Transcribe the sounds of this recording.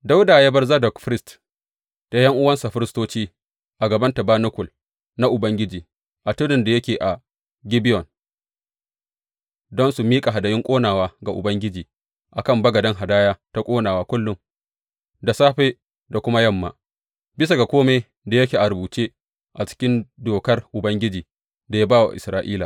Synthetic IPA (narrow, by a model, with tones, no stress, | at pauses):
da˦wda˨jeː˦bɐ˦rza˦dɔ˨kɸɾɪ˦st | ta˨jɐ˦ŋʔʊ˦wɐ˦nsa˨ɸɪ˦ɾɪ˦stoː˦t͡ʃiː˦ | ʔa˨ɡɐ˨bɐ˦nta˨baː˦nʊ˦kʷʊ˨l | na˦ʔʊ˨bɐ˦ŋɡʲɪ˦d͡ʒiː˨ | ʔa˨tʊ˦nɪ˨nda˨jɐ˦kʲeː˨ʔa˨ | ɡʲɪ˦bɪ˦jɔ˨n | dɔ˦nsu˨miː˦kʼa˨ɦa˨dɐ˨jɪ˦ŋkʷʼoː˦naː˨waː˦ɡa˨ʔʊ̰˨bɐ˦ŋɡʲɪ˦d͡ʒiː˨ | ʔa˨kɐ˦˨mbɐ˦ɡɐ˨dɐ˦ŋɦa˨daː˦jaː˦ta˦kʷʼoː˦naː˨waː˦kʷʊ˦lːʊ˦ŋ | da˨saː˦ɸeː˦ | da˨kʷʊ˦ma˦jɐ˦mːa̰ː˨ | bɪ˦s̬a˨ɡa˨kʷoː˦me˦ | da˨jɐ˦kʲeː˨ʔa˨ɾʊ˨buː˨t͡ʃeː˦ | ʔa˨t͡ʃɪ̥˦kʲɪ˦ndoː˨kɐ˦rʔʊ˨bɐ˦ŋɡʲɪ˦d͡ʒiː˨ | da˨ja˦baː˦wa̰˨ʔɪ̰˨sɾaː˦ʔiː˦laː˨